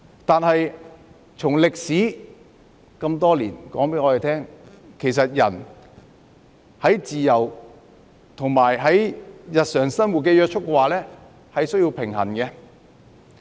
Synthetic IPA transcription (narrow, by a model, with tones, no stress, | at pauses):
t̪aː˨˧nhɐ˨j | t͡sʰʊ˨˩ŋlɪ˨k̚siː˨˥ | kɐ˧mt̪ɔː˥liː˨˩nkɔː˨˥ŋpe˨˥ŋɔː˧e˨jt̪ʰɛː˥ŋ | kʰe˨˩js̬ɐ˨t̚jɐ̰˨˩n | hɐ˨˥jt͡siː˨jɐ˨˩w | t̪ʰʊ˨˩ŋmaː˨˩jɦɐ˨˥jjɐ˨t̚sœː˨˩ŋsɐ˥nwu˨t̚kɛː˧jœː˧k̚t͡ʃʰʊ˥kːɛ˧waː˨lɛː˥ | hɐ˨jsɵ˥ɥji˧wpʰɪ˨˩ŋɦɐ˨˩nkɛ˧